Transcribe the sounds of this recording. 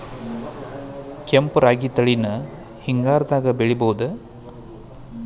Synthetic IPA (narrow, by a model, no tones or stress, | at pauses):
kempɾaːɡit̪ɐɭinɐ | hiŋɡaːɾɐd̪aːɡɐbeɭibowud̪ɐ